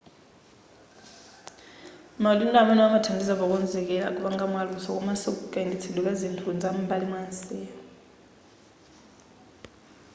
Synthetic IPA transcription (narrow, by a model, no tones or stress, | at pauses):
malundʼamanaamatʰandʱis̬aɓɔk̬wɛnd͡zʱɛk̬ɛla̰k̬ʼuɓaŋamwalusɔk̬ʼumasukkʼanit͡sʰiluk̬azintʰund͡zʱam̩balimwansɛːjɔ